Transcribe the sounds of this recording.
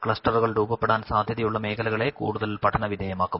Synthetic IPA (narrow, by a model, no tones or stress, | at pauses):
kɭɐsʈɐruɣɐɭruːbɐpːeɽaːnsaːd̪ʱjɐðɐjuɭːɐme̞ːkʰɐlɐɣɐɭe̞kṵːɽuðɐlpɐʈʰːɐnɐʋid̪ʱeːjɐmaːkːum